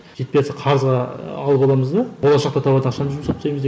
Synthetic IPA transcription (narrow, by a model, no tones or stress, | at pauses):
ʒe̞t̪̚peeseqʰɑɾəzʁɑːlˠəpɑlˠɑməzd̪əbolˠɑʃɑq̚t̪ɑt̪ʰɑpɑd̪ənɑχʃɑnʒuməsɑp̪sɑjməze